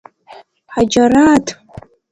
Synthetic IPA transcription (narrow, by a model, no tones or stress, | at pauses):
ħad͡ʒaɾatʰʼ